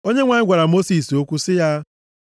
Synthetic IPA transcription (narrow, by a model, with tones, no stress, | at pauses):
o˦ɲe˦ŋʷa˨ɲ˦ɡʷa˨ɾa˨mo˦si˨so˦kʷu˦sɪ˦ja˦